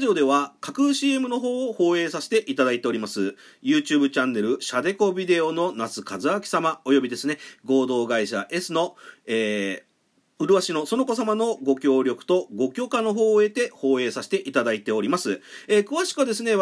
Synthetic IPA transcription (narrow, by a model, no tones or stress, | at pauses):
ʑio̞d̪e̞βakakɯ̟ɕiːe̞mɯ̟no̞ɦo̞ːho̞ːe̞ːsaɕi̥t̪e̞ʔit̪ad̪ait̪e̞o̞ɾimasɨ | jɯ̟ːt͡ɕɨːbɯ̟t͡ɕãnːe̞ɾɯ̟ɕad̪e̞ko̞bʲid̪e̞o̞no̞nat͡sɨkazɨakʲi̥samao̞jo̞bʲid̪e̞sɨne̞ɡo̞ːd̪o̞ːɡaiɕa̰ʔe̞sɨno̞eː | ɯ̟ɾɯ̟βaɕino̞so̞no̞ko̞s̬amano̞ɡo̞kʲo̞ːɾʲo̞kɯ̟̥t̪o̞ɡo̞kʲo̞ːkano̞ɦo̞ːe̞t̪e̞ho̞ːe̞ːsaɕi̥t̪e̞ʔit̪ad̪ait̪e̞o̞ɾʲimasɨekɯ̟βaɕi̥kɯβad̪e̞s̬ɨne̞